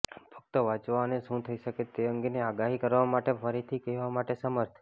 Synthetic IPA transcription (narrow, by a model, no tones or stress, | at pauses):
pʰək̚t̪əʋat͡ʃʋaneʃũt̪ʰəiʃəket̪eə̃ŋɡeneaɡaɦikəɾʋamaʈefəɾit̪ʰikɛɦʋamaʈesəməɾt̪ʰ